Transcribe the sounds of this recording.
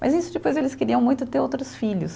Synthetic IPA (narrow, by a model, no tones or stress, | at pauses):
mɐ̰zisʊd͡ʒɪpojzelɪskeɾiɐ̃w̃mũj̃t̪ʊt̪eɾowt̪ɾʊsfiʎʊ̰s